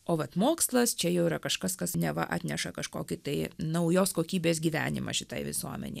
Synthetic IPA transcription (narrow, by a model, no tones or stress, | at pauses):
oːʋɐt̪moːkslˠɐst͡ʃʲɛjɛʊiɾɐkɐʃkɐskɐsnʲɛʋɐ̰ʔɑ̰ːt̪ʲnʲɛʃɐkɐʃko̰ːkʲɪt̪ɐɪnɐʊjoːskoːkʲiːbʲeːs̬ɡʲiːʋʲæ̰ːnʲɪ̰mɐ̰ʃʲɪt̪ɐɪʋʲɪ̰suɔmʲɛ̰nʲɛɪ